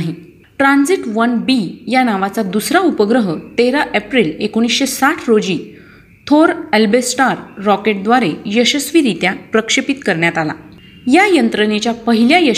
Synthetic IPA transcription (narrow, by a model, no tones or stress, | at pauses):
ɦi | ʈɾand͡ziʈʋənbijanaʋat͡sad̪usɾaupəɡɾəɦət̪eɾaʔepɾilekoɽ̃isɕesaʈʰɾod͡ʑi | t̪ʰoɾelbesʈaɾːɔkeʈ̚d̪ʋaɾejəɕəsʋiɾit̪japɾəkʂepit̪kəɾɳjat̪ala̰ | jajənt̪ɾənet͡ɕjapəɦiljajə